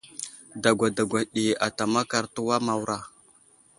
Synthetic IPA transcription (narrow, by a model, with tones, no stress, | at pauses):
da˨ɡʷa˨da˨ɡʷa˨ɗi˨a˨ta˨ma˦ka˨ɾtu˦wa˦ma˨wɾa˨